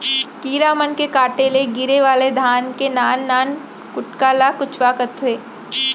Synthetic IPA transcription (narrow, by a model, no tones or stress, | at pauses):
kiːɾamənkekaːʈeleɡɪɾeʋaːled̪ʱaːnkenaːnːaːn | kʊʈkaːlakʊt͡ʃʰwakət̪ʰːeː